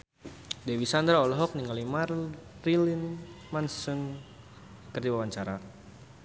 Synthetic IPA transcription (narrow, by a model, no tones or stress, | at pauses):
dɛwisand̪ɾaɔlɔɦɔk̚niŋalimarrilinmansɨŋ | kərdiwawaɲt͡ʃaɾa